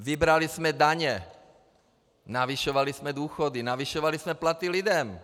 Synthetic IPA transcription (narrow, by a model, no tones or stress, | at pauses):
vɪbɾalismɛdaɲɛ | naviʃovalismɛd̪uːxodinaviʃovalismɛplat̪ilɪdɛm